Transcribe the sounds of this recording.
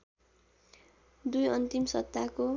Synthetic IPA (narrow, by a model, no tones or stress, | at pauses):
d̪ujʌnt̪imsʌ̰t̪ːako